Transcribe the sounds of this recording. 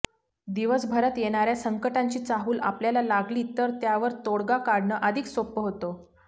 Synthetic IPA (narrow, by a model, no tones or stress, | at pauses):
d̪iʋəsbʱəɾat̪jeɽ̃aɾjasəŋkəʈaɲt͡ɕiːt͡saɦuːlʔa̰pljalalaɡliːt̪əɾt̪jaʋəɾt̪oɽɡakaɽɳəʔəd̪ʱiksopːəɦot̪o